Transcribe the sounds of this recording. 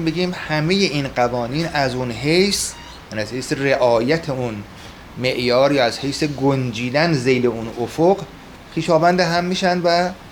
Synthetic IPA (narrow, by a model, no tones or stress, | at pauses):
be̞ɡiːmhæmeje̞ʔinɢævɒːniːnæzunɦejs | jjæniæzhejsere̞ʔɒːjæt̪ʰeun | me̞ʔjɒːɾjɒæzhe̞jseɡond͡ʒiːd̪ænze̞jle̞unofoɢ | pʰiːʃɒːvænd̪eɦæmːiːʃænd̪væ